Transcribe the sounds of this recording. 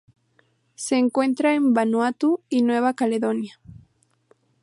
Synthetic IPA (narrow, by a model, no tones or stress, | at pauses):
seːŋkwe̞nt̪ɾaembanwat̪uinwe̞β̞akaleðonja